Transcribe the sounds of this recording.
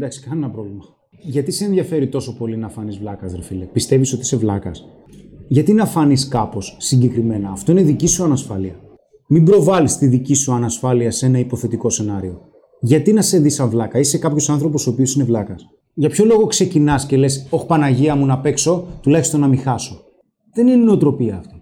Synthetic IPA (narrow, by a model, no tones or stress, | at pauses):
ed̪ɐksi̥kɐnenɐpɾo̞vlimɐ | ʝɐt̪ise̞ːnðʝɐfe̞ɾit̪o̞so̞po̞linɐfɐnizvlɐkɐzðɾɐfilepist̪e̞viso̞t̪ise̞vlɐkɐs | ʝɐt̪inɐfɐniskɐpo̞sːiɲɟe̞kɾime̞nɐːft̪o̞ine̞ðicisuɐnɐsfɐliɐ | mimbɾo̞vɐlist̪iðicisuɐnɐsfɐliɐse̞nɐipo̞θe̞t̪iko̞se̞nɐɾio̞ | ʝɐt̪inɐse̞ðisɐɱvlɐkɐise̞kɐpço̞sɐnθɾo̞p̬o̞soːpiosine̞vlɐkɐs | ʝɐpço̞lo̞ɣo̞kse̞cinɐsce̞le̞so̞xpɐnɐʝiɐmunɐpe̞kso̞t̪ulɐçist̪o̞nɐmixɐso̞ | ðe̞ninino̞t̪ɾo̞piɐːft̪i